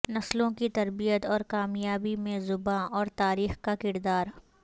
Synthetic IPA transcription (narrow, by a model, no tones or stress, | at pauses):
nɐslõkit̪ɐɾbijət̪ɔːɾkaːmjaːbimẽzʊbãʔɔːɾt̪aːɾiːxkakɪɾd̪aːɾ